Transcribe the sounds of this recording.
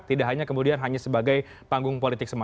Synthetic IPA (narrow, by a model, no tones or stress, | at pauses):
t̪idaʔɦaɲakəmudianɦaɲasəbaɡaj | paŋɡʊŋpolit̪ɪksəma